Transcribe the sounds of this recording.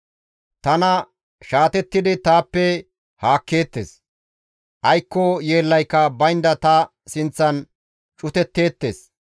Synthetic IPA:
t̪ɐnɐ | ʃaːt̪ɛt̪ːɪd̪ɪt̪aːpːɛ | haːkːe̞ːt̪ːḛːs | ʔɐjkːɔje̞ːlːɐjkːɐbɐjnd̪ɐt̪ɐ | sɪnt͡sːɐn | t͡ʃʼʊt̪ɛt̪ːe̞ːt̪ːe̞̰ːs

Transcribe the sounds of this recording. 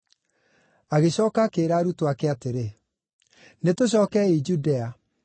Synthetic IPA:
aɣeɕɔːkaːkeːɾaːɾutoakɛateɾe | netoɕ̬ɔːkɛid͡ʒudɛa

